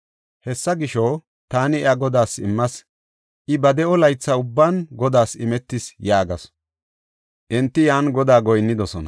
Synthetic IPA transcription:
hɛsːɐɡɪʃɔw | t̪aːnɪɛɐɡɔd̪aːsɪmːɐs | ʔɪbɐd̪ɛɔlɐjt͡sːɐʊbːaːnɡɔd̪aːsɪmɛt̪ːɪsjaːɡɐs | ʔɪnt̪ːɪjaːnɡɔd̪aːɡɔjnːɪd̪ɔsɔnɐ̰

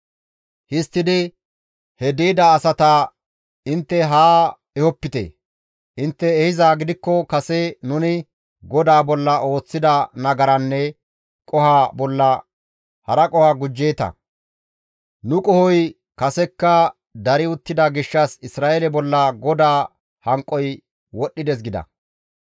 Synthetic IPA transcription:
hɪst̪ːɪd̪ɪ | hɛd̪iːd̪ɐːsɐt̪a | ɪnt̪ːɛɦaː | ɛhɔpːɪt̪ḛ | ʔɪnt̪ːɛːhɪzaːɡɪd̪ɪkːɔkɐsɛnʊnɪ | ɡɔd̪aːbɔlːɐʔo̞ːt͡sːɪd̪ɐnɐɡɐɾɐnːɛ | kʼɔhaːbɔlːɐ | hɐɾɐkʼɔhaɡʊd͡ʒːe̞ːt̪ɐ̰ | nʊkʼɔhɔj | kɐsɛkːɐ | d̪ɐɾɪʊt̪ːɪd̪ɐɡɪʃːɐsɪsɾaːʔelɛbɔlːɐɡɔd̪aː | hɐŋkʼːɔj | wɔɗːɪd̪ɛs̬ɡɪd̪ɐ̰

